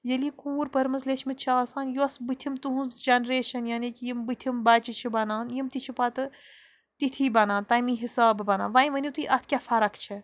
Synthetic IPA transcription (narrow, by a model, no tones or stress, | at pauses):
jɐlikuːɾpɐɾmɨzleːt͡ʃʰmit̪̚t͡ʃʰiaːsaːnjuɐsbɨt̪ʰimt̪uɦũnzd͡ʒɐnɾeːʃɐnjɐnikʲjimbɨt̪ʰimbɐːt͡ʃit͡ʃʰibɐnaːnjimt̪it͡ʃʰipɐt̪ɨ | t̪it̪ʰiːbɐnaːnt̪ɐːjmĩɦisaːbbɐna̰ːnʋɐjĩʋɐnʲit̪uiʔɐt̪ʰkʲafɐɾɐkʰt͡ʃʰe